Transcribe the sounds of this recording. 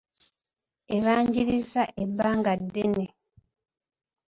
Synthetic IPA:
eβaːɲɟiɾizaʔebːaːŋɡadːene

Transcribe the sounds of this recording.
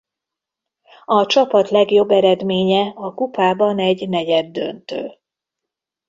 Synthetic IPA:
ɒt͡ʃɒpɒt̪lɛɡjo̞bːɛɾɛd̪meːɲɛɒkupaːbɒnɛɟnɛɟɛd̪ːø̰nt̪ø̰ːl

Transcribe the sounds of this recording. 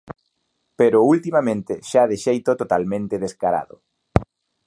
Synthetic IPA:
peɾʊult̪imamẽnt̪ɪʃaðɪʃejt̪ot̪ot̪almẽnt̪ɪðeskaɾa̰ðʊ

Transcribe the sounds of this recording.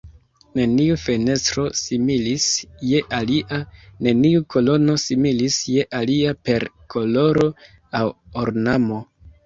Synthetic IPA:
ne̞niufe̞ne̞stɾosimiisjeʔaliane̞niukʰo̞lo̞no̞similisje̞ʔaliape̞ɾkʰo̞lo̞ɾo̞ | awoɾnamo̞

